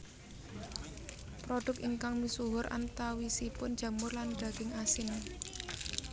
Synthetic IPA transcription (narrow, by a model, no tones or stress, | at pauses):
pɾoɖ̥ʊ̤kiŋkaŋmisuɦʊɾʔa̰nt̪awisipʊndd͡ʒ̥a̤mʊrland̪̥ä̤ɡ̥ɪŋasɪn